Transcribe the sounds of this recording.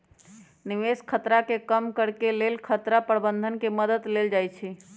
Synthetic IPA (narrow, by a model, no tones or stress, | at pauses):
niʋeskʰət̪ɾakekəmkəɾkelelkʰət̪ɾapɾəbənd̪ʱənkeməd̪əd̪leld͡ʒajt͡ʃʰi